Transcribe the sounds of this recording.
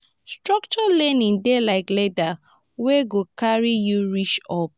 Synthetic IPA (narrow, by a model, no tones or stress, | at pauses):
stɹɔkt͡ʃɔlɛ̃nĩŋdelaɪkleda | weɡokaɹijuɹit͡ʃɔp̚